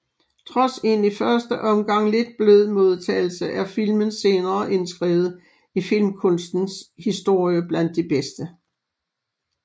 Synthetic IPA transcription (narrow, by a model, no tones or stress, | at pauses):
t͡sʰʁɒ̽se̝nifɶɐsd̥əʔɒ̽mɡ̥ɑ̈ŋ̰le̝d̥̚b̥løð̰ˠmo̝ð̞ˠt͡sʰɛ̰ːɪl̩səʔæɐfilmənse̝ːnɐːʔe̝nsɡ̥ʁɛ̰ːʊð̩ˠ | ifilmkʰɔ̽nsd̥n̩shisd̥o̝ɐ̰jəb̥læn̰d̥ːeb̥esd̥ə